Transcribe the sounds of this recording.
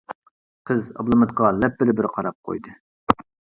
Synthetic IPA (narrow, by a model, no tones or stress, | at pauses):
qʰəzɑ̰blˠɨmɨt̪qɑlɛpːɪlɪbɪɾqʰɑɾɑp̚qʰo̰jd̪ɨ